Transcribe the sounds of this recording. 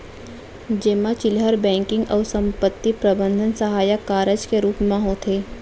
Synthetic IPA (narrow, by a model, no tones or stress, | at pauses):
d͡ʒeːmat͡ʃɪlɦəɾbɛ̃ːŋkɪ̃ŋɡɔːɾsɐ̃mpət̪ːipɾɐbə̃nd̪ʱənsɐɦaːjəkːaːɾəd͡ʒkeɾuːpmãɦot̪ʰeː